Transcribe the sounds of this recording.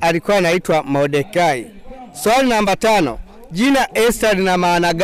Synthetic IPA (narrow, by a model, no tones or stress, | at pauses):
alikuwanaitwamɔdɛkai | swalinambatanɔ̰ | ɟinaʔɛsalinamaːnaɡ